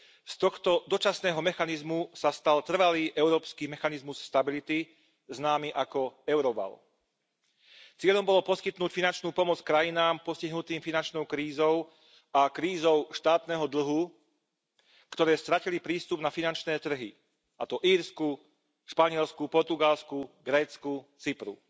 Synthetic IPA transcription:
st̪ɔxt̪ɔd̪ɔt͡ʃasnɛːɦɔmɛxanizmusast̪alt̪r̩ʋaliːʔɛʊɾɔːpskiːmɛxanizmusːt̪abilit̪i | znaːmiʔakɔɛʊɾɔba̰l | t͡sɪɛʎɔmbɔlɔpɔskit̪nuːcfinant͡ʃnuːpɔmɔt͡skɾajinaːmpɔsciɦnut̪iːmfinant͡ʃnɔʊkɾiːzɔʊ | akɾiːzɔʊʃt̪aːt̪nɛɦɔd̪l̩ɦu | kt̪ɔɾɛːst̪ɾacilipɾiːst̪ubnafinant͡ʃnɛːt̪r̩ɦi | ʔat̪ɔʔiːɾsku | ʃpaɲɪɛlskupɔɾt̪uɡalskuɡɾɛːt͡skut͡sipɾṵ

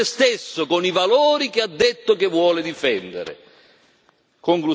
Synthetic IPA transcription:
ɪst̪esːokonivalɔːɾik̟ɪad̪ːet̪ːʊkɪvːwɔːlɪd̪ifɛnd̪ḛɾɪ̰ | koŋklu

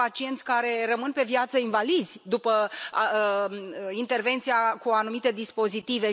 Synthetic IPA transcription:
at͡ʃie̞nt̪sʲkaɾe̞rəmɨnpe̞vjat̪səinvalizʲd̪upə | int̪e̞rve̞nt̪sijakuanumit̪e̞d̪ispo̞zit̪ive̞

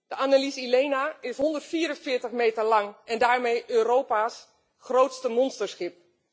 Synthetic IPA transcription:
d̥əʔanalisileːnaɪsɦɔndərtfiːəɾənfɪːtəxmeːtərlɑŋɛndaːɹmejʔøːɾowpas | xrowtstəmɔnstəɹsxɪp̚

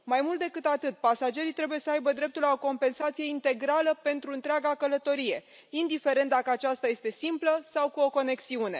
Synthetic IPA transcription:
majmult̪d̪e̞kɨt̪at̪ɨt̪̚pasad͡ʒe̞ɾit̪ɾe̞buje̞səajbəd̪ɾe̞p̚t̪ulao̞ko̞mpe̞nsat̪sije̞int̪e̞ɡɾaləpe̞nt̪ɾuɨnt̪ɾeaɡakələt̪o̞ɾije̞̰ | ind̪ife̞ɾe̞nt̪̚d̪akəat͡ʃast̪aje̞st̪e̞simpləsawkuo̞ko̞ne̞ksiune̞̰

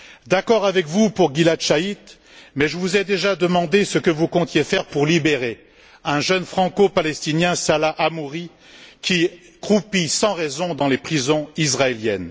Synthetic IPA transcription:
d̪akɔʁavɛkvupuʁɡʲilat̪ʃait̪ | mɛʒəvuzɛd̪eʒad̪əmɑ̃d̪esəkəvukɔ̃t̪jefɛʁpuʁlibeʁe | ɛ̃ʒənfχɑ̃kopalɛst̪injɛ̃salaʔamuʁi | kʲi | kχupisɑ̃ʁɛzɔ̃d̪ɑ̃lepχizɔ̃izʁaeljɛn

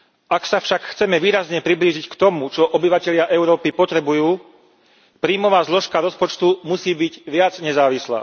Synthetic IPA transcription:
aksafʃakxt͡sɛmɛʋiːɾazɲɛpɾibliːʒickt̪ɔmut͡ʃɔʔɔbiʋacɛʎɪaʔɛʊɾɔːpipɔt̪ɾɛbujuː | pɾiːmɔʋaːzlɔʃkaɾɔspɔt͡ʃt̪umusiːbiɟʋɪad͡zɲɛzaːʋisla̰ː

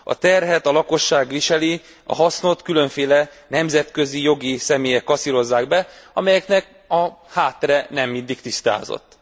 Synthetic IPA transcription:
ɒ̰t̪ɛrɦɛt̪ɒlɒko̞ʃːaːɡʋiʃɛli | ɒ̰ɦɒsno̞t̪kylø̞ɱfeːlɛnɛmzɛt̪kø̞zijo̞ɡisɛmeːjɛkːɒsiɾo̞zːaːɡbɛɒmɛjɛknɛk | ɒhaːt̪ːɛɾɛnɛmːind̪ikt̪ist̪a̰ːzo̰t̪ː

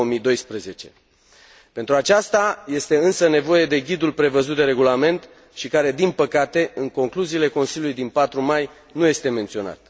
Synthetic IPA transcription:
omijd̪o̞jspɾeze̞t͡ʃe̞ | pe̞nt̪ɾuat͡ʃast̪aje̞st̪e̞ɨnsəne̞vo̞je̞d̪e̞ɡʲid̪ulpɾe̞vəzut̪̚d̪e̞ɾe̞ɡulame̞nt̪ | ʃikaɾe̞d̪inpəkat̪e̞ɨŋko̞ŋkluziːle̞ko̞nsiljulujd̪inpat̪ɾumaj | nuje̞st̪e̞ment̪sio̞na̰t̪

